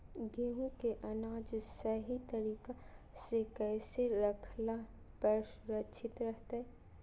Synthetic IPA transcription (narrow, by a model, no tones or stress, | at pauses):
ɡeɦũkeʔɐnaːd͡ʒsɐɦit̪ɐɾiːka | sekɛːseɾɐkʰla | pəɾʃ | ɾɐt͡ʃʰɪt̪ɾɐɦt̪aɦɛː